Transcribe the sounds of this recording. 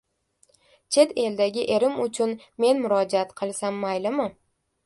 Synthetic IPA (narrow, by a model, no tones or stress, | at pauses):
t͡ʃʰe̞t̪e̞ld̪aɡʲɪʔe̞ɾɪmʊt͡ʃʰʊnme̞nmʊɾɒd͡ʒaat̪qʰɨlˠsamːajlɪmɪ